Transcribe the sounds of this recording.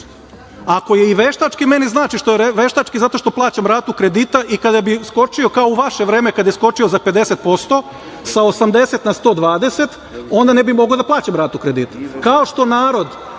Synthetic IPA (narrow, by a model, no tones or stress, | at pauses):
ako̞je̞iʋe̞ʃt̪at͡ʃkime̞niznaːt͡ʃiʃt̪ojeʋe̞ʃt̪at͡ʃkizat̪o̞ʃt̪o̞plˠaːt͡ɕamɾaːt̪ukɾed̪iːt̪aʔikad̪abisko̞t͡ʃio̞kaouʋaʃe̞ʋɾeːmekad̪jesko̞t͡ʃio̞zaped̪e̞se̞t̪̚po̞st̪o̞ | saosamd̪e̞set̪nast̪o̞ːd̪ʋaːd̪e̞se̞t̪ | o̞nd̪ane̞bimo̞ɡod̪aplˠaːt͡ɕamɾaːt̪ukɾe̞d̪iːt̪ḁkao̞ʃt̪o̞naːɾo̞d̪